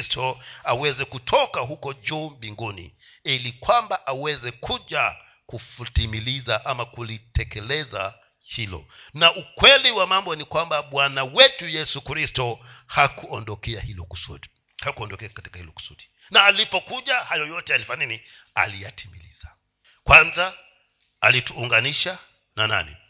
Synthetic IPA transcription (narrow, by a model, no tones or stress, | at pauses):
stʰɔawɛzɛkutʰɔkaɦukɔʄuːmbiŋɡunḭilikwambaʔawɛzɛkuʄa | kufutimilizaʔamakulitɛkɛlɛza | hilɔ̰naʔukwɛliwamambɔnikwambaɓwanawɛtujɛsukɾistɔhakuɔndɔkɛahilɔku̥sṵɗi̥ | hakuɔndɔkɛakati̥kahilɔku̥suɗi | naːlipɔkuʄahajɔjɔtɛalifanini | a̰lijatʰimilḭza | kwanza | alituːŋɡaniʃa | nana̰nḭ